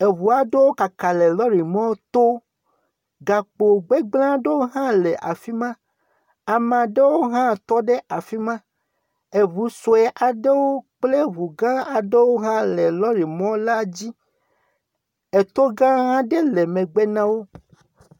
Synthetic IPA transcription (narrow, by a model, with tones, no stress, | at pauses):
e˨βu˨a˨ɖe˦wo˦ka˨ka˨le˨lɔ˦ɾi˨mɔ̃˦t̪o˦ | ɡa˨k͡po˨ɡ͡be˦ɡ͡blã˦ɖe˦wo˦ɦã˦le˨ʔa̰˨fi˦mã˦ | a˨mã˨ɖe˦wo˦ɦã˦t̪ɔ˦ɖe˦ʔa˨fi˦mã˦ | e˨βu˨so˨e˨ʔa˨ɖe˦wo˦k͡ple˦βu˨ɡã˦a˨ɖe˦wo˦ɦã˦le˨lɔ˦ɾi˨mɔ̃˦la˦d͡ʑi˦ | e˨t̪o˦ɡã˦ɦã˦ɖe˦le˨mẽ˨ɡ͡be˦nã˦wo˦